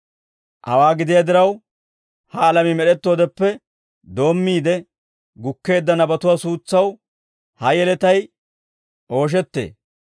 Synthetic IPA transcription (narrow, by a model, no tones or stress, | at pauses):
ʔɐ̰waːɡɪd̪ɪjɐd̪ɪɾɐw | hɐːlɐmɪmɛɗɛt̪ːo̞ːd̪ɛpːɛ | d̪o̞ːmːiːd̪ɛ | ɡʊkːe̞ːd̪ːɐnɐbɐt̪ʊwaːsuːt͡sːɐw | hɐjɛlɛt̪ɐj | ʔo̞ːʃ̬ɛt̪ːe̞̰ː